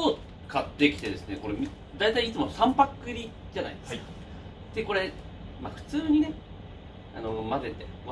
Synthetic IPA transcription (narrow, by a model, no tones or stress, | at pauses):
oː | kat̪ːe̞kʲi̥t̪e̞d̪e̞sɨneko̞ɾemʲi | d̪ait̪aiːt͡sɨmo̞sãmpakːɯ̟ɾʲi | d͡ʑana̰id̪esk | d̪̥e̞ko̞ɾe̞ | maɸɯ̟̥t͡sɨːɲ̟ine̞ | ano̞mad̪e̞t̪ːe̞